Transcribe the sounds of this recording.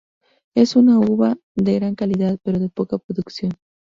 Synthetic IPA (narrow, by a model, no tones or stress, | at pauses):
e̞sunauβa | ðeɣɾaŋkaliðaðpe̞ɾoðe̞po̞kapɾoðuksjo̞n